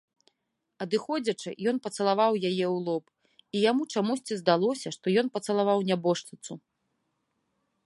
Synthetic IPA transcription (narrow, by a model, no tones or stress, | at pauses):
ɐd̪ɨxɔd͡zʲɐt͡ʂɨ̰jɔnpɐt̪sɐlˠavawjajɛwlˠɔp | ijamut͡ʂamusʲt͡sʲizd̪alˠɔsʲɐʂt̪ɔjɔnpɐt̪sɐlˠavawnʲabɔʂlʲɨt̪su